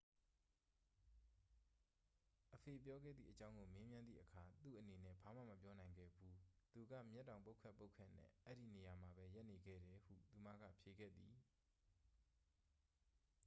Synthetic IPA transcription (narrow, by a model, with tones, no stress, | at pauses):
ʔəpʰe˨pjɔ˦ɡɛ̰˦˨d̪ðḭ˦˨ʔət͡ɕã˦ʊ̃ŋɡo˨me˦mjã˦nd̪ðḭ˦˨ʔəkʰa˨t̪ṵ˦˨ʔəne˨nɛ̰˦˨ba˨m̥ä̰˦˨mə˨pjɔ˦nã˨ɪ̃ŋɡɛ̰˦˨bu˦t̪u˨ɡa̰˦˨mjɛ˦tːã˨ʊ̃mpo˦kʰɛ˦˨pːo˦ʊkʰɛ̰̃˦˨nɛ̰̃˦˨ʔɛ˦ɾi˦˨ne˨ja˨m̥a˨bɛ˦ja˦ʔne˨ɡɛ̰˦˨ɾɛ˨hṵ˦˨t̪u˨ma̰˦˨ɡa̰˦˨pʰje˨ɡɛ̰˦˨d̪i˨